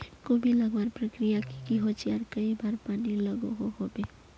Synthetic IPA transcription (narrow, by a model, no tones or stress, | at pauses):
kobʱilɐɡwaːɾpɾəkɾijakikiɦot͡ʃiɾkəibaːɾpaːnilɐɡoɦoɦobeː